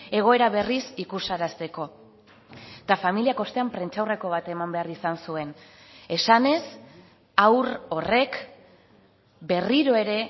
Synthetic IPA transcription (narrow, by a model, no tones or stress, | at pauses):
e̞ɣ̞o̞e̞ɾaβ̞e̞risikusaɾast̪e̞ko̞ | t̪afamiliako̞st̪e̞ampɾe̞nt͡ʃawre̞ko̞β̞at̪e̞mambe̞arisansue̞n | e̞sane̞s | awɾo̞re̞k | be̞riɾo̞e̞ɾe̞